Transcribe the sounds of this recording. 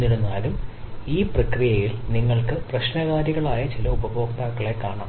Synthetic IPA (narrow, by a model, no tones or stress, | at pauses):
iɽunːaːlumiːprɐkrijɐjilniŋːɐɭkɨprɐɕnɐɣaːɾjɐɣɐɭaːjɐt͡ɕilɐubɐbo̞ːkt̪aːkːɐɭe̞kːaːɳa̰ː